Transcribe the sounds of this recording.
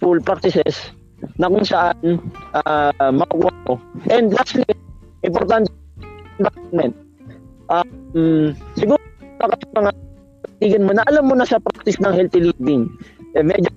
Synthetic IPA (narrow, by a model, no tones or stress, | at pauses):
fulpɾak̚t̪ɪsɛs | nɐkʊŋsɐʔanʔamɐkʊkṵːamoʔɛnd̪laslɪ | ʔɪmpoɾt̪ant̪ɛnbanmɛnt̪̚ | ʔamsɪɡuːɾakɐsomɐŋa | pɐt̪iːɡɐnmonɐʔɐlamːonasɐpɾak̚t̪ɪsnɐŋhɛlt̪ɪlivɪŋʔɛmɛd͡ʒo